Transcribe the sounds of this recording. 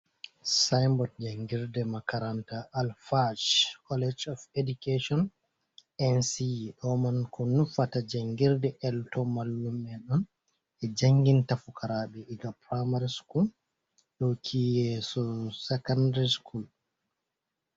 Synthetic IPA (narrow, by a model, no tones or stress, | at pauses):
sajmbɔt̚d͡ʒaŋɡiɾdɛmakaɾantaʔːlfad͡ʒkʰɔlɛd͡ʒɔfeduketɔn | ɛnsiɗɔmankʰɔnufatad͡ʒaŋɡiɾdɛʔɛltɔmalːumːɛɗɔn | ɛd͡ʒaŋɡintafukʰaɾaːɓɛiɡapɾamaɾiskul | ɗɔkʰiːɛsɔsɛkandaɾiskul